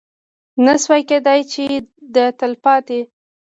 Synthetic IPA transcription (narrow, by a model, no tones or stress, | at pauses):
naswajked̪ajt͡ʃed̪ət̪əlpɑt̪e